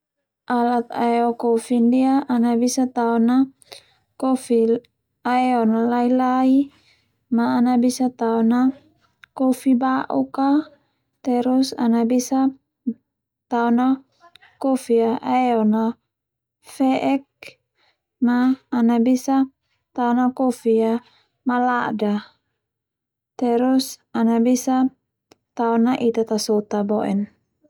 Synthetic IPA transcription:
ʔalat̪a̰ɛɔkofindiaʔːnabisat̪aɔna | kofi | aɛɔnalailai | maːnabisat̪aɔna | kofibaʔuka | t̪ɛɾusanabisa | t̪aɔna | kofiaʔaɛɔna | fɛʔɛk̚ | maːnabisa | t̪aɔnakofia | malada | t̪ɛɾusanabisa | t̪aɔnaʔit̪at̪asot̪abɔʔɛ̰n

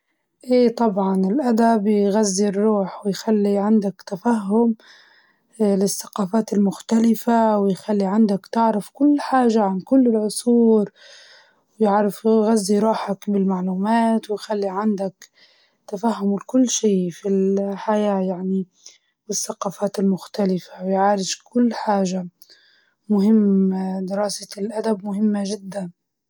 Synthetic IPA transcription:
ʔeːt̪ˤɑbʕɑnɪlʔad̪abjɣazːirˤːuːħwɪjxalːiʕɪnd̪akt̪afaɦːʊm | lɪsːḁqɑːfaːt̪ɪlmʊxt̪alɪfawɪjxalːiʕand̪akt̪ɪʕɾɪfkʊlːħaːʒaʕankʊlːɪlʕʊsˤuːɾ | wɪjɪʕɾɪfɣazːijɾˤuːħakbɪlmaʕluːmaːt̪wɪjxalːiʕand̪ak | t̪afahːʊmʊlkʊlːʃiːfilħajaːjaʕni | bɪθːaqɑːfaːt̪ɪlmʊxt̪alɪfawjʕaːɾɪʃkʊlːħaːʒa | mʊhɪmːd̪ɪɾɑːsɪlʔad̪ab̚mʊhɪmːaʒɪd̪ːan

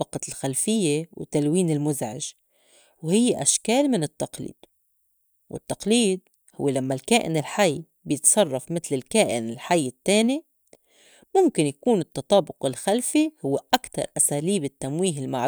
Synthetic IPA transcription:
ɑqɑlxalfɪjːewt̪alwiːnɪlmʊzʕɪ̰ʒ | whɪjːeʔaʃkaːlmɪnɪt̪ːɑqlḭːd̪̥ | wɪ̰t̪ːɑqliːd̪̚ | hʊ̰wːelamːalkaːʔɪ̰nɪlħajː | bjɪt̪sˤɑrˤːɑfmɪt̪lɪlkaːʔɪnɪlħajːɪt̪ːeːni | mʊmkɪnjakuːnɪt̪ːɑt̪ˤɑːbʊqɪlxalfihʊwːeʔakt̪ɑ̰ɾˤʔasaːliːbɪt̪ːamwiːɦɪlmaʕ

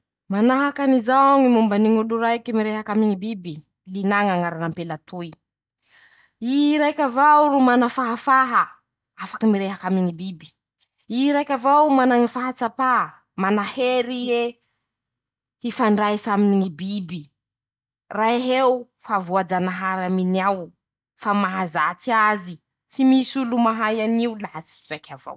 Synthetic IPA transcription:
manaɦakanizaaŋimumbaniŋuluɾaikimiɾeɦakamiŋibibi | linaŋaŋaɾanampelat̪uj | iɾajkʲavawuɾumanafaɦafaɦa | afḁkamiɾeɦakamiŋibibi̥ | iɾajkʲavawumanaŋifaɦat͡sapa | manaheɾie | hifaɳɖ͡ʐaisaminiŋibibi | raiɦew | favuad͡zanaɦaɾaminiaw | famaɦazat͡siazi | t͡simisulumaɦajaniulat͡si̥rajkʰʲava̰w

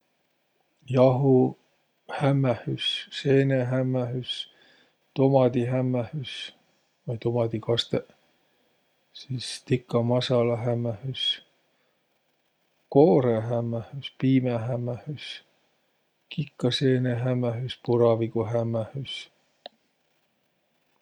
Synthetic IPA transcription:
jɑɦu | hæmːæhysseːneɦæmːæɦys | t̪omɑd̪iɦæmːæhys | vɑjt̪omɑd̪ikɑst̪e | siːst̪ikːɑmɑsɑlɑɦæmːæhys | koːɾeɦæmːæhyspiːmeɦæmːæhys | kikːɑseːneɦæmːæɦyspuɾɑviɡuɦæmːæhys

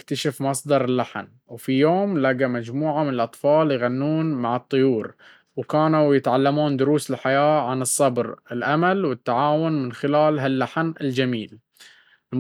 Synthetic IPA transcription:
kt̪aʃafmɑsˤd̪ɑɾˤɪlːaħn | wfijoːmlaɡamad͡ʒmuːʕamɪnɪlʔɑt̪ˤfɑːljɣanːuːnmaʕɨt̪ˤːʊjuːɾ | wkaːnuwjɪt̪ʕalːamuːnd̪ʊɾuːsɪlħajaːʕanɨsˤːɑbɾɪlʔamalwɪt̪ːaʕaːwʊnmɪnxɪlaːlɦalːaħnɪld͡ʒamiːl | l

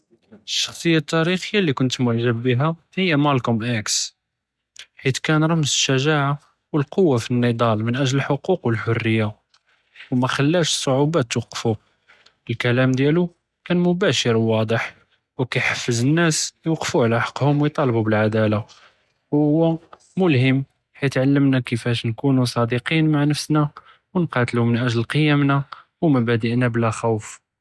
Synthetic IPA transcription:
əʃːɑ̥xsˤəjːat̪ːæɾixəjːalikʊnt̪mʊʕʒəbːiɦæ | həjːæmælkʊmʔæks | ħit̪kænɾˤɑmːzəʃːæʒaʕa | wəlqowːafinːid̪ˤɑlmənʔæʒləlħoquqwəlħʊrːəjːa | wmæxælːæʃə̥sˤːoʕubæt̪ːwɑqfu | əlkælæmd̪jælu | kænmʊbæʃəɾwɑd̪ˤəħ | wkæjħəfːəzənːæsjwqːfuʕlæħɑ̥qːhʊmwəjt̪ˤɑlbubəlʕad̪æla | whʊwːæ | mʊlhəmː | ħit̪ʕalːəmnækəfæʃnkunusˤɑd̪iqinmaʕnəfsnæ | wənqɑt̪lumənʔæʒllqəjæmnawmæbæd̪əʔnæblæxawf

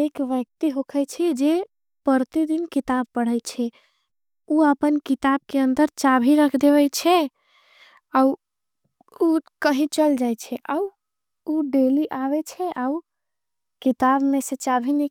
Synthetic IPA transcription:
ekʋjək̚t̪iɦokʰəjt͡ʃʰɛd͡ʒe | pəɾt̪id̪inkit̪ab̚pəɽ̤əjt͡ʃʰɛ | uəpənkit̪ab̚keənd̪əɾt͡ʃabʱiɾəkʰd̪eβɛt͡ʃʰɛ | au | ukəɦĩt͡ʃəld͡ʒajt͡ʃʰɛʔau | uɖeliʔabɛt͡ʃʰɛʔau | kit̪abmesẽt͡ʃabʱine

